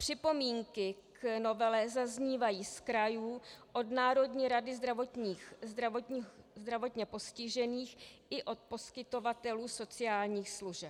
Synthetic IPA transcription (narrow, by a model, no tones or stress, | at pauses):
pr̝̥ɪpo̞miːŋkɪkno̞vɛlɛzazɲiːvajiːskɾajuːʔo̞dnaːɾo̞dɲiːɾadɪzd̪ɾavot̪ɲiːxzd̪ɾavozd̪ɾavo̞t̪ɲɛpo̞scɪʒɛniːxʔɪʔo̞t̪̚po̞skɪt̪o̞vat̪ɛluːso̞t͡sɪaːlɲiːxsluʒɛp